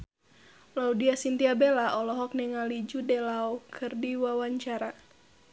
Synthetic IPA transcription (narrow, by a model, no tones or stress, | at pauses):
laudiasint̪iabɛlaʔɔlɔɦɔk̚nɛŋalid͡ʒudɛlaɔkʰɨrdiwawaɲt͡ʃaɾa